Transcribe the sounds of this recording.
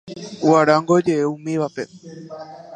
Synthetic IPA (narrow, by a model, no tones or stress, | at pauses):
uaɾaŋɡo̞d͡ʒe̞eũmĩʋape̞